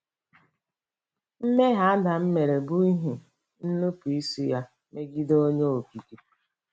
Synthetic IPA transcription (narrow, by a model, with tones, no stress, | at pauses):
m̩˦me˦ɦa˨a˦da˨m̩˦me˨ɾe˨bu˦i˦ɦu˨ | n̩˦nu˦pi˨i˦su˦ja˦ | me˦ɡi˦do˦ɲo˦o˨ki˨ki˦